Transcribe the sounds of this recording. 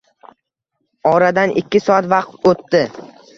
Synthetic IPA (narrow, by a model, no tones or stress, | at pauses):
ɒɾad̪anʔɪkʲːɪsɒat̪vaqt̪ot̪ːɪ